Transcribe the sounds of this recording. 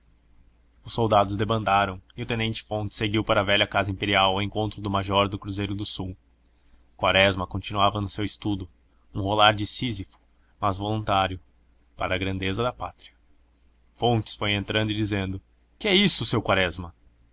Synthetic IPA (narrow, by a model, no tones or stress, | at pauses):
ʊsːowd̪ad̪ʊzd̪ebɐ̃nd̪aɾɐ̃w̃ɪʊt̪ẽnẽnt͡ʃɪ̥fõnt͡ʃɪ̥seɡiwpaɾɐːvɛʎɐkazɐĩmpeɾiawɐwẽŋkõnt̪ɾʊd̪ʊmaʒɔɾd̪ʊkɾuzejɾʊd̪ʊsuw | kwaɾɛzmɐkõnt͡ʃinuavɐnʊsewɪst̪ud̪ʊ | ũholaɾd͡ʒɪsizifʊ̥ | mazvolũnt̪aɾjʊ | paɾɐːɡɾɐ̃nd̪ezɐd̪ɐpat̪ɾiɐ̥ | fõnt͡ʃɪ̥sfojẽnt̪ɾɐ̃nd̪ʊɪd͡ʒizẽnd̪ʊ | kɪɛisʊsewkwaɾɛzmɐ